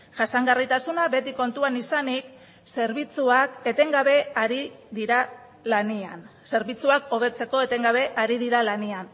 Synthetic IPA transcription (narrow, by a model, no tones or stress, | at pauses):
ʝasaŋɡarit̪asunaβe̞t̪iko̞nt̪uanisanik | se̞ɾβ̞it͡suake̞t̪e̞ŋɡaβe̞aɾiðiɾa | lania̰nse̞ɾβit͡suako̞β̞e̞t͡se̞ko̞e̞t̪e̞ŋɡaβe̞ʔaɾiðiɾalanian